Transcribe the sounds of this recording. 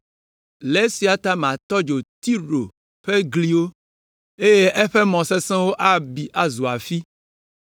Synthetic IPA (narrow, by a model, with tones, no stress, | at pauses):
le˦si˨a˨t̪a˦mã˨t̪ɔ˦d͡ʒo˨t̪i˦ɖo˨ | ɸe˦ɡli˦wo˦ | e˦je˦ʔɛ˦ɸe˦mɔ̃˨se˦sɛ̃˦wo˦ʔa˦bi˨ʔa˦zu˨a˨fi˦